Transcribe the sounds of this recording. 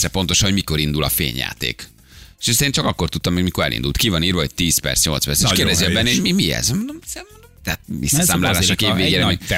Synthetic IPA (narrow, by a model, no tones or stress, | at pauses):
sɾɛpo̞nt̪o̞ʃɒnoɟmiko̞ɾind̪ulɒ̰fḛːɲja̰ːt̪ḛːk | ʃeseːnt͡ʃɒkɒkːo̞rt̪ut̪ːɒmːɛmikoɾɛ̰lʔḭnd̪ult̪kivɒniːrʋɒɦo̞c̚t̪iːspɛ̰rt̪sɲo̞̰lt̪spɛrseʃkeːrd̪ɛziɛbɛnːɛhojmimiɛ̰zond̪omsɛ | t̪ɛt̪̚vḭsːɒsaːmlaːlaːʃokeːʋeːɡeːɾɛi